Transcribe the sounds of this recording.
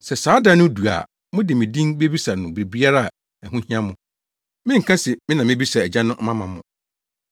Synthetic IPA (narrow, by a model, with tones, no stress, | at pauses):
sɛ˨saː˨˦da˦nʊ̃˦du˨a̰˨ | mʊ̃˦dɪ˨mɪ̃˨dĩ˦nbe˦bi˦sa˨nʊ̃˨bɾi˨bi˦a˦ɾa˦˨a˨ | æ˨ɦũ˦hĩ˦ã˦mʊ̃˨ | mɪ̃˦ŋ̩˨kʰã˦sɛ˨mɪ̃˦nã˨mɪ̃˦bi˦sa˨æ˨d͡ʑã˦nʊ̃˦ʔmã˦mã˨mʊ̰̃˨